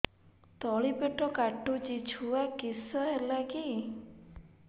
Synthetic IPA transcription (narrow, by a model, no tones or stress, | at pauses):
t̪ɔɭipeʈɔkaʈut͡ʃit͡ʃʰuakisɔɦelaki